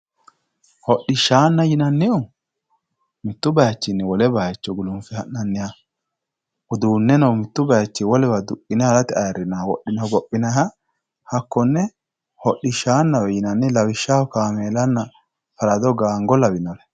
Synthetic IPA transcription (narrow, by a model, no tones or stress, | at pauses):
hɔɗɪʃaːnːɐjɪnɐnːɪjɔ | mɪt̪ːʊbɐjɐt͡ʃːɪnːɛwɔlɛbajɐt͡ʃːɔɡʊlʊmfɪhɐʔɐnːɪhɐ | ʔʊd̪uːnːɛnɐwmɪt̪ːʊbɐjɐt͡ʃːɪwɔlɛbɐd̪ʊʔːɪnɛhɐlɐt̪ɪɐjɾːɪnawɔ̰ɗːɪnɐɔɡɔpʼːɪnɐhɐ | hɐkːɔnːɛ | hɔɗːɪʃaːnːɐwɛjɪnɐnːɛlɐwɪʃːahɔkaːmeːlɐnːɐ | fɐɾɐd̪ɔɡaːŋɡɔlɐwɪnɔlɛ̥